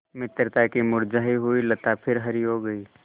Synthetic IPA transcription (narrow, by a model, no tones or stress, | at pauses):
mɪt̪ɾt̪akimʊɾd͡ʒaːɦiɦuilət̪apʰɪɾɦɐɾiɦoɡɐiː